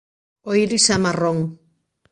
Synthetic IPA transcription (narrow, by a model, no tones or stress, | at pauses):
ojɾisamaroŋ